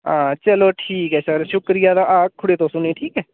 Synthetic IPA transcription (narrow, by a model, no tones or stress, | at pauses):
ãːt͡ʃəloːʈʰiːkɦɛːsəɾʃʊkɾijaːd̪aːʔaːkʰːʊɽeːt̪õːsʊnẽːʈʰiːkɦɛː